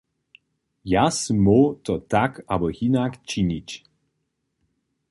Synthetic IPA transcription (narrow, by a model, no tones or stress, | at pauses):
jasmɔt̪ɔt̪akabɔhinakt͡ɕiɲit͡ɕ